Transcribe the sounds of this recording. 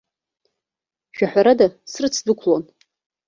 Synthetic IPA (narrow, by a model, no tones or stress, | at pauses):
ʒᶣaħʷᶣaɾadasrɨt͡sʰdɨkʷʰlon